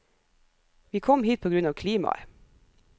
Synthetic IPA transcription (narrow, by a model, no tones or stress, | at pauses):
ʋiːkʰɔmhiːt̪̚pʰoːɡɾʉnɑːʋkʰliːmɑ̰